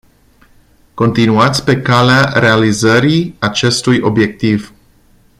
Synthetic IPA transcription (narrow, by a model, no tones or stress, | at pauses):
ko̞nt̪inuat̪sʲpe̞kaleaɾe̞alizəɾiat͡ʃe̞st̪ujʔo̞bje̞k̚t̪iv